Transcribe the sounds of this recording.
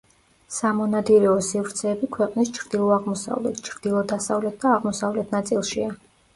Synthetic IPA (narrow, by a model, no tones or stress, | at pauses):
samɔnad̪iɾɛɔsivɾt̪sʰɛːbikʰwɛqʼnist͡ʃʰɾd̪ilˠɔaʁmɔsa̰vlɛt̪ʰt͡ʃʰɾd̪̥ilˠɔd̪asavlɛt̪̚d̪aːʁmɔsavlɛt̪ʰnat̪sʼilˠʃia